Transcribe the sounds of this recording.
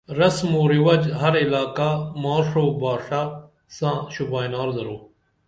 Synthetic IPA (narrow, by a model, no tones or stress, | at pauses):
ɾɐsmoːɾiwɐd͡ʒɦɐɾilaːkamaːɾʂoːbaːʂaː | sãːɕubaːjnaːɾzɐɾoː